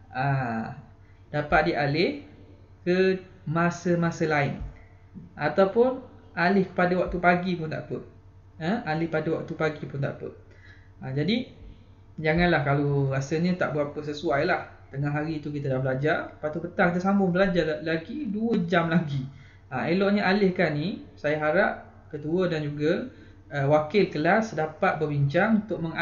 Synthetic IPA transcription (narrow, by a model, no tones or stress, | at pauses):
a | d̥apat̪̚diʔalɪh | kə | masəmasəlaɪn | ʔat̪awpʊn | alɪhkə̥padawak̚t̪upaɡipʊnt̪a̰ʔpəʔ̚ | əalɪhpadawa̰k̚t̪upaɡipʊnt̪aʔpə̰ʔ | ad͡ʒadi | d͡ʒaŋãnlahkaloɾasəɲə̃t̪a̰ʔbəapəs̬əsuajlah | t̪əŋaɦaɾit̪uk̬it̪adahbəlad͡ʒarpat̪upət̪aŋkit̪əsambʊŋbəlad͡ʒarlaɡiduəd͡ʒamlaɡi | aelɔʔɲəʔalɪhkanisajaɦaɾap̚ | kət̪uədand͡ʒuɡə | əwakɪlkəlasdapat̪̚bəbiɲt͡ʃaŋunt̪ʊk̚mə̃ŋa